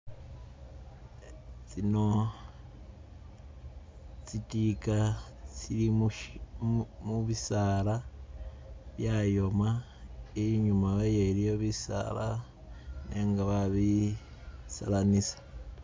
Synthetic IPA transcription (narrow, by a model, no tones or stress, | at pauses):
t͡sino̞ | t͡sitika | t͡sili | muβisala | βjajo̞ma | eɲumaβejelijoβisa̰la | neŋɡaβaβi | salanisḁ